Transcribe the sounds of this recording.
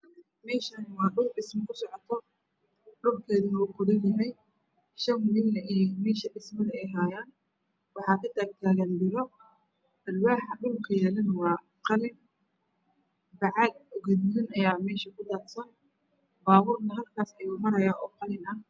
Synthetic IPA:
mɛːʃɐnwɑːɗʊlɖɪsmɐkʰʊsɔʕɔt̪ʰɔ | ɖʊrkʰɛːðɪnʊkʰʊðɪnjɐɦɛj | ʃɐnwʊlɪnnɐʔijmɛːʃɐɖɪsmɐðɐɛjɦaːjaːn | wɑħɑːkʰɐt̪ʰaːk̚t̪ʰaːɣɐnd̪ɪlɔ | ʔɐrbaːħɐɗʊlkʰɐjɛːlɐnwɑː | qɑlɪn | bɑʕɑd̪ɔɣɛd̪ðɪnɐjaːmɛːʃɐkʰʊd̪aːt̪sɐn | baːβʊːrnɐɦɐlkʰaːsɛjʊmɐɾɐjaːʔɔːqɑlɪnɐh

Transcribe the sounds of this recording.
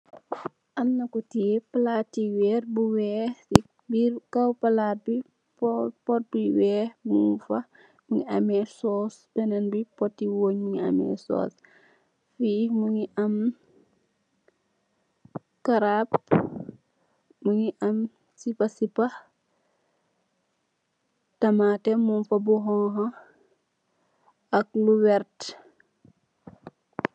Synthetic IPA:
ʔɐmnɐkutipɐlaːtːiwɛːrbuwɛː | bikawpɐlaːt̚bi | ppɔt̚biwɛːhmṵfɐ | muŋiɐmɛsɔːsbɛnɛnbipɔtːiwoːɲmuŋiɐ̰mɛ̰sɔ̰ːs | fimuŋiʔɐm | kaɾap | muŋiʔɐm | sipɐsipɐ | tɐmaːtɛmunfɐbuɦɔŋɦɐ | ɐk̚luwɛɾt

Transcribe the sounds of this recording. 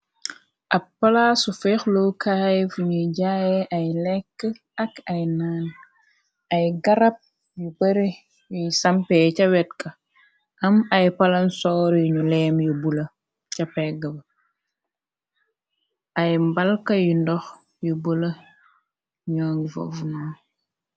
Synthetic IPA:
ʔɐppːɐlasufɛxlowkʰajfuɲuɟaːjɛʔɐjlɛkːə | ɐkɐjnaːn | ɐjɡɐɾɐp̚ | jubɐɾi | jujsɐmpɛcɐwɛtkɐ | ʔɐmɐjpɐlɐnsɔːɾjuɲulɛːmjubulɐ | cɐpɛɡɐbɐ | ʔɐjmbɐlkɐjundɔx | jubulɐ | ɲaːŋfo̰vnu

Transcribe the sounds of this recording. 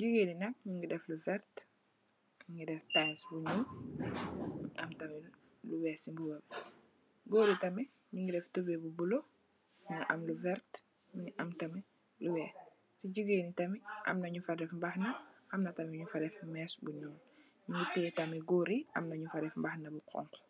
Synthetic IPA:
d͡ʒuɡeːninɐk̚ɲuŋɡidɛfluvɛɾt | ɲiŋɡidɛftasbuɲɔːn | ʔɐmtɐmɛ | luwɛːsimbubɐb | ɡoɾitɐmɛ | ɲuŋɡidɛftubebubulo | miŋʔɐmluvɛɾt | minʔɐmtɐmɛ | luwɛː | siɟiɡenitɐmiʔɐ̰mnɐɲufɐdɛfmbaxnɐʔɐmnɐtɐmɛɲufɐdɛfmɛːsbuɲɔːn | ɲiŋɡiteːtɐmiɡoːɾiɐ̰mnɐɲufɐdɛfmbaxnɐbuqʰɔ̰ŋkɔ̥

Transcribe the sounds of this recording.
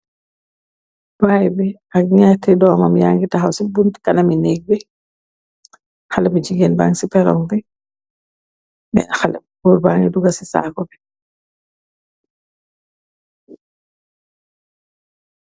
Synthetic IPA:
bajbɛ | akɲɛtidɔːmamjaŋɡitaɦawsibuntkanaminiɡ̚bɛ | xalabid͡ʒiɡenba̰ŋsipɛɾɔŋbɛ | mɛ̰nxal̰bubaŋiduɡasisa̰ːkɔbɛ

